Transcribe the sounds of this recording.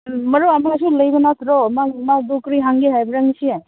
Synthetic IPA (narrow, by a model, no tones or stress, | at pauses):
mɐɾuamaɡas̬ulɐjbɐnat̪ɾɔmamadukɾiɦaŋɡiɦajbɾaŋsi